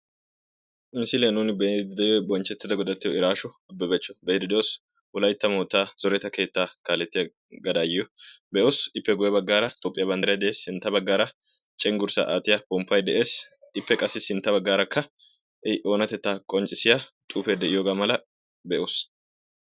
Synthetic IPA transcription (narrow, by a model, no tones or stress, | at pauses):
ʔɪnsɪleːnuːnɪbɛd̪d̪ɛjɔbɔnt͡ʃːɛt̪ːɪd̪ɐɡɔd̪ɐt̪ːɪjɔɪɾaːʃɔɐbːɛbɛt͡ʃːɔ̥bɛd̪ɪd̪ɛjoːs | ʔʊlɐjt̪ːɐmoːt̪ːaːz̥ɔɾɛt̪ːɐke̞ːt̪ːaːkaːlːɛt̪ːɪjɐ | ɡɐd̪aːjɪjɔbɛʔoːsɪpːɛɡʊjɐbɐɡːaːɾɐt̪ʼoːpʼːɪjɐbɐnd̪ɐɾɪjɐd̪ɛʔeːshɪnt̪ːɐbɐɡːaːɾɐ | t͡ʃʼɛŋɡʊɾsa̰ʔaːt̪ɪjabɔmpːɐjd̪ɛʔe̞ːs | ɪpːɛkʼɐsːɪsɪnt̪ːɐbɐɡːaːɾɐkʰːɐ | ʔɛʔo̞ːnɐt̪ːɛt̪ːaːkʼɔnt͡ʃʼːɪsɪjaːt̪ʼuːfeːd̪ɛʔɪjoːɡaːmɐlɐ | bɛʔoːs